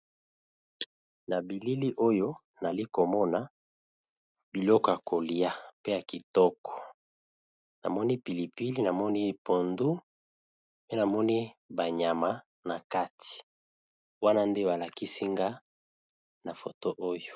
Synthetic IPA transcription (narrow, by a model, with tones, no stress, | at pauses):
na˨bi˨li˦li˦ʔo˦jo˦ | na˨li˦ko˨mɔ˦na˨ | bi˨lɔ˦kɔ˨ja˨kʰo˨li˨a˦pe˦ja˨ki˨tɔ˦kɔ̥˨ | na̰˨mɔ˦ni˦pi˨li˨pi˦li˦na˨mɔ˦ni˦˨po˨ndu˦ | pe˦na˨mɔ˦ni˦ba˨ɲa˨ma˦ | na˨ka˦tʰi̥˨ | wa˦na˦nde˦ba˨la˨ki˦si˦ŋɡa˦ | na˨fo˨to˦ʔo˦jo˨